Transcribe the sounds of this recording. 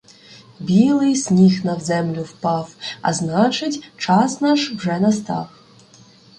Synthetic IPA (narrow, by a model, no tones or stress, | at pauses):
bʲilˠɪjsʲnʲixnɐwzɛmlʲʊwpɑwɐ̰znɑt͡ʃɪtʲt͡ʃɑsnɑʃwʐɛnɐst̪ɑ̰w